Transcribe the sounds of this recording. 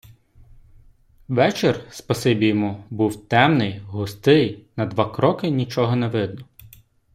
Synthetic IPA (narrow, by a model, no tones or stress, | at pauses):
ʋɛt͡ʃɪrspɐsɪbʲijmubuwt̪ɛmnɪjɦʊst̪ɪjnɐd̪ʋɑkɾɔkɪnʲit͡ʃɔɦɔnɛʋɪd̪nɔ